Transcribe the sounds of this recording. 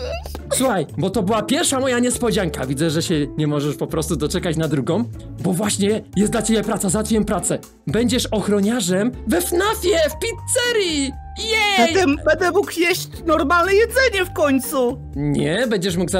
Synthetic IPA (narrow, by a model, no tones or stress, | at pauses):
suxajbɔt̪ɔbɘwapʲjɛɾfʂamɔjaɲɛspɔd͡ʑaŋkavʲid̪zɛʐɛɕɛɲɛmɔʐɛʂpɔpɾɔst̪ud̪ɔt͡ʂɛkat͡ɕnad̪ɾuɡɔ̃m̃ | bɔvwaɕɲɛjɛslat͡ɕebʲɛpɾat̪sazat̪fʲjɛmpɾat̪sɛ | bɛɲd͡ʑɛʂɔxɾɔɲaʐɛmvɛfnafʲjɛfpʲit̪sɛɾi | jɛɛjd̪ɛbɛd̪ɛmukjeɕt͡ɕnɔɾmalnɛjɛd̪zɛɲɛfkɔɲt̪su | ɲɛbɛɲd͡ʑɛʂ̬muɡza